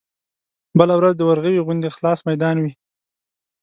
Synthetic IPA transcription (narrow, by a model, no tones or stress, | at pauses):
bəlawɾazd̪əwaɾɣəwiɣʊnd̪exlɑsmajd̪ɑnwi